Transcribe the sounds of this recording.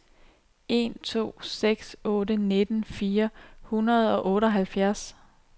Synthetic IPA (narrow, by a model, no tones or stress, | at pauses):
e̝̰ːnt͡sʰo̝̰ːseɡ̥sɔ̽ːɾəne̝d̥n̩fiːɐhunɐð̞̩ˠɒ̽ʔɔ̽ːɾəɒ̽ɦælfjæɐs